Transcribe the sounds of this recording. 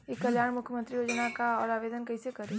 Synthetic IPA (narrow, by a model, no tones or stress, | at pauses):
ekːɐljaːɽmʊkʰjəmə̃nt̪ɾijoːd͡ʒnakaɔːɾaːʋeːd̪ənkɐisekɐɾẽ